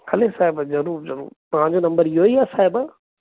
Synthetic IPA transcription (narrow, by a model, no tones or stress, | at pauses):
hɐlesaːɪbzɐɾuːɾzɐɾṵːɾt̪ɐɦãɲd͡ʑonɐ̃mbəɾijoiasaːɦɪb